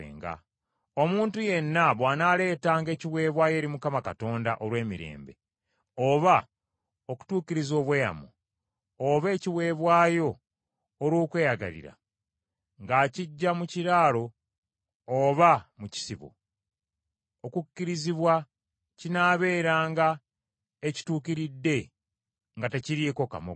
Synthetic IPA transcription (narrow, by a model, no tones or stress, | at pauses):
ḛːŋɡa̰ | o̞muːntuje̞nːaβwaːnale̞ːtaːŋɡe̞ːciwe̞ːβwaːje̞ːɾimukamakato̞ːndaʔo̞ɾwe̞ːmiɾe̞̰ːmbe̞̰ | oβa | oku̥tuːkiɾizo̞ːβweːja̰mṵː | βe̞ːciwe̞ːβwaːjo̞ː | ɾwoːkwe̞ːjaɡa̰lḭɾa̰ | ŋɡaciɟːamuciɾaːlo̞ː | βamuci̥siβo̰ | okukːiɾiziβwa | cinaːβe̞ːɾaːŋɡa | eci̥tuːkiɾidːe̞ | ŋɡateciɾiko̞ka̰mo̰